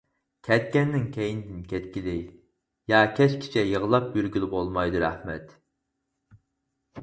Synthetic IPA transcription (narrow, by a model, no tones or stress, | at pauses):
kʲʰɛt̪̚kʲɛnːɪŋkʲʰɛjinɪd̪ɪnkʲɛt̪kʲilɪkʲ | jɑːkʲʰɛt͡ʃkʲʰi̥t͡ʃʰɛjəʁəlˠɑp̚jyɾɡʲylˠbolˠmɑjd̪uɾæ̰hmɛ̰t̪